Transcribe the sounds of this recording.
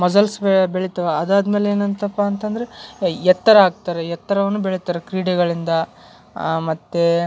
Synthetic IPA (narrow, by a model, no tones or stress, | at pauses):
mɐd͡ʒɐlsbbeɭit̪ɐʋɐɐd̪aːd̪meːleeːnɐnt̪ɐpːɐːnt̪ɐnd̪ɐɾeɛt̪ːɐɾɐaːɡ̚t̪aːɾejɛt̪ːɐɾɐʋɐnːubeɭit̪aːɾekɾiːɽɛɡɐɭind̪ɐ | mɐt̪ːe